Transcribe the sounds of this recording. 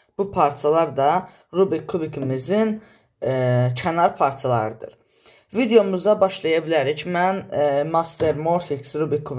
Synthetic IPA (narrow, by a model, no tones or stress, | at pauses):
b̥upʰaɾt̪ʰialˠɑɾd̪ɑ | ɾubɾikʰːubikʰimizin | cʰænɑɾˠpʰɑɾt̪ʰialˠɑ̰ɾɯd̪ɯ̰ɾ | vid̪ejo̞muzɑbɑʃlˠɑjɑbilæɾicmænmɑst̪eɾmoɾfiksɾubɾikʰːub